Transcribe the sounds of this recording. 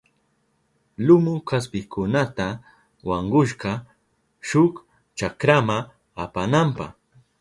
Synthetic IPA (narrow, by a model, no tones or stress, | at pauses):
lʊmʊkas̬pɪkʊnat̪a | wɑɴɢʊʃ̬ɢɑ | ʃʊk | t͡ʃakɾama | apanampɑ̰χ